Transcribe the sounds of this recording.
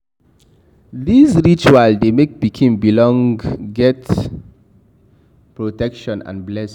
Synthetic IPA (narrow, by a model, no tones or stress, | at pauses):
ðizɹit͡ʃualdemek̚bikʰĩmbilɔ̃ŋɡɡɛt | pɹotɛkʃɔ̃nã̰nblɛs